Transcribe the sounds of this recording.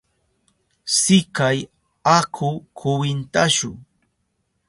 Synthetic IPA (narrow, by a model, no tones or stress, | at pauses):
sɪkaj | akʰʊkʰʊwɪnt̪aʃʊ̰ŋ